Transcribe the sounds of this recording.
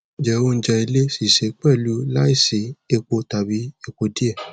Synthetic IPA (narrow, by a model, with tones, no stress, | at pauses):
d͡ʒɛ˨˦o˧n̩˦d͡ʒɛ˧i˧le˦si˨ʃe˨˦k͡pɛ˦˨lu˨˦la˦i˦˨si˨˦e˧k͡po˧ta˨bi˨˦e˧k͡po˧di˦ɛ˦˨